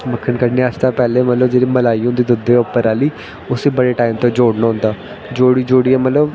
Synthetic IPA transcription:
məkʰːənkəɽniːat͡ʃt̪aːpɛːleːmət̪ləbd͡ʒeːɽiːməlaːiːʊ̃nd̪iːd̪ʊd̪eːʊpːəɾaːliː | ʊseːbəɽeːʈaːimt̪õːd͡ʒoːɽnãːɦʊ̃nd̪aː | d͡ʒoːɽiːd͡ʒoːɽiːãːmət̪ləb

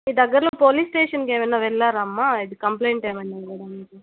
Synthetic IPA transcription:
iːd̪ɐɡːɐɾɐloːpoːliːsʈeːʂɐnkeːʋɐjnːaːʋɛɭːaːɾɐmːaːid̪ikɐmpleːɳʈeːmɐjnaːkɐɽanːɐki

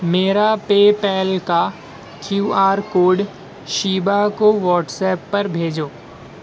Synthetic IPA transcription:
meːɾapeːpɛːlka | kʰjuːaːɾkoːɖ | ʃiːbakoʋɔːʈsɛːpːɐɾbʱeːd͡ʒoː

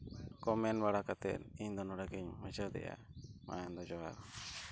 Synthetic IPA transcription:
kɔmɛnbaɽakat̪ɛ̰t̪̚iɲd̪ɔnɔɽaɡiɲmɛd͡ʒəd̪ɛ̰ʔa̰ma̰and̪ɔd͡ʒɔwa̰ɾ

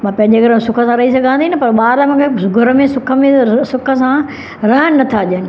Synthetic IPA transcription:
mãːpɐ̃ɦɪ̃ɲd͡ʑeɡɐɾmsʊkʰəsãɾɐɦisɐɡʱãnd̪inɪpɐɾɓaːɾmʊ̃kʰeɡʱʊɾəmẽsʊkʰə̆mẽsʊkʰə̆sã | ɾɐɦənnɐt̪ʰaʄənɪ̆

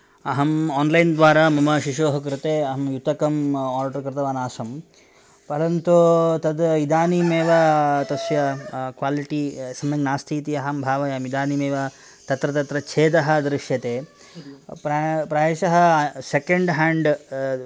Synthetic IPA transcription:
ɐɦɐmaːnlɐjnd̪ʋaːɾaːmɐmɐʃiʃoːɦɐkɾɪt̪eːɐɦɐmjut̪ɐkɐmaːɾɖɐɾkɾɪt̪ɐʋaːnaːsɐm | pɐɾɐnt̪ut̪ɐd̪id̪aːnimeːʋɐt̪ɐsjɐkʋaːliʈisɐmjɐŋnaːst̪ʰiːt̪iɐɦɐmbʱaːʋɐjaːmid̪aːnimeːʋɐ | t̪ɐt̪ɾɐt̪ɐt̪ɾɐt͡ʃʰeːd̪ɐɦɐ̆d̪ɾɪʂjɐt̪eː | ppɾɐʋeːʃɐɦɐ̆sekɐɳɖɦaːɳɖ

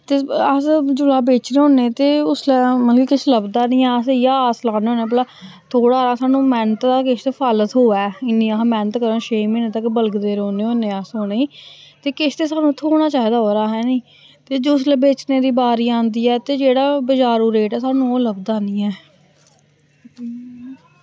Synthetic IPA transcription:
t̪eːəsd͡ʒʊlaːbeːt͡ʃneːɦõːneːt̪eːʊslɛːmətlkiːkɪt͡ʃʰləbd̪aːnĩːɛːəsjaːslaːneːoːnẽːpəlaː | t̪ʰoːɽaːɾãːsaːnũːmɛːnət̪ːaːkɪt͡ʃʰt̪eːpʰaːlət̪ɦoːɛːɪnːĩːamɛːnət̪kəɾõːʃeːmẽːneːt̪əkbəlɡd̪eːɾoːneːoːneːaːsoːneiːt̪eːkɪʃʰt̪eːsaːnũːt̪ʰoːɽ̃aːt͡ʃaːɦiːd̪aːɦoːɾaːɦɛːnĩː | t̪eːd͡ʒoslɛːbeːt͡ʃneːd̪iːbaːɾiːãːnd̪iːɛːt̪eːd͡ʒeːɽaːbəd͡ʒaːɾuːɾeːʈɛːsaːnũːoːləbd̪aːnĩːɛː

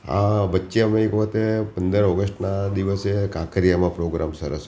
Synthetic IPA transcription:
a̰ʋətːʃeəmẽekɔt̪epənd̪əɾɔɡəsʈnad̪iʋəsekakəɾijamãpɾoɡɾamsə̰ɾə̰s

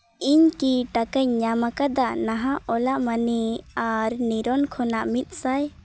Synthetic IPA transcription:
iɲkiʈakaɲɲamakad̪anaɦãʔɔlaʔmaniaɾniɾɔnkʰɔnaʔmit̪̚ˀsaj

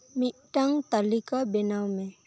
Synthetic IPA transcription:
miʈaŋt̪əlikabɪnawmẽ

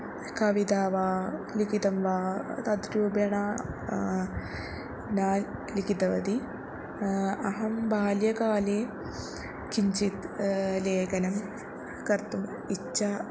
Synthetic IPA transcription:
kɐʋid̪aːʋaːlikit̪ɐmʋaːt̪ɐd̪ɾuːbjɐɳaː | naːllikit̪ɐʋɐ̰d̪i | ɐɦɐmbʱaːljɐkaːleː | kiɲt͡ʃit̪leːkɐnɐm | kɐɾt̪um | it͡ʃːɐ

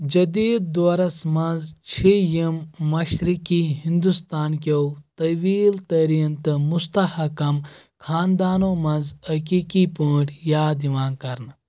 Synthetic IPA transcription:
d͡ʒɐd̪iːd̪̚ːoːɾɐsmɐ̃nzt͡ʃʰejimːɐʃɾikiːɦĩnd̪ust̪aːnkɐwt̪ɐʋiːlt̪ɐɾint̪ɨmust̪ɐhɐkɐmkʰaːnd̪aːnoːmɐnzhɐkiːkiːpuːʈjaːd̪iʋãːnkɐɾn

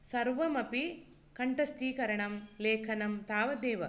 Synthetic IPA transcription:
sɐɾʋɐmɐpi | kɐɳʈɐst̪iːkɐɾɐɳɐmleːkʰɐnɐmt̪aːʋɐd̪eːʋɐ

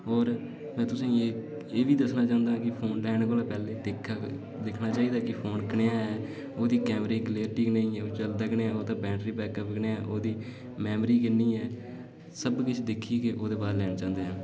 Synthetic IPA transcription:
ɔːɾ | mɛ̃ːt̪ʊsĩːeː | eːʋiːd̪əsnaːt͡ʃãːʊ̃nd̪ãːkɪpʰoːnlɛːnkoːlaːpɛːleːd̪ekʰː | d̪ɪkʰnaːt͡ʃaːiːd̪aːkɪpʰoːnkəɳeːaːɛː | oːd̪iːkɛːmɾeːɡɪleːɾʈiːknəĩːɛːoːt͡ʃəld̪əkɳeːãːoːt̪ãːbɛ̃ːɳɖɾiːbɛːkəpɡneːɛːʔoːd̪iː | mɛːmɾiːkɪniːɛː | səbkɪt͡ʃʰd̪ɪkʰːiːekeʔoːd̪eːbaːɾlɛːnt͡ʃãːnd̪eːɦãː

